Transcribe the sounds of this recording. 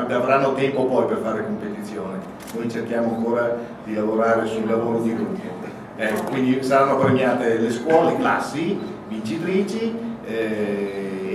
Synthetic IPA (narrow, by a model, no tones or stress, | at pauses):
d̪avɾanːot̪ɛmpopɔjperfaːɾekompet̪it̪sːjoːne | nojt͡ʃerkjaːmoaŋkoːɾad̪ilavoɾaːɾesuilːavoːɾod̪ilut̪e | ɛkːokwind̪isaɾanːopɾemjaːt̪eleskwɔːlekla̰sːi | vint͡ʃit̪ɾiːt͡ʃiɛ